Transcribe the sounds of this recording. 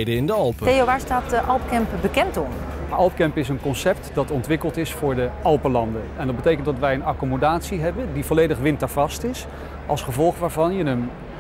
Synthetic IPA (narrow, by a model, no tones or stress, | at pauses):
dəɪndəɑlˠpəejoʋaːɹstaːtdəʔɑlˠp̚kɛmpbəkɛntɔmʔɑlˠp̚kɛmpɪsənkɔnsɛp̚tdɑtɔntʋɪkəlˠtɪsfʊːɹdəʔɑlˠpəlɑndənɛndɑd̚bətejkəntdɑtʋɛjənɑkomodaːtsiɦɛbəndivolejdəχʋɪntəɹvɑstɪs | ʔɑlˠsχəvɔlˠχʋaːɹvɑnjənəm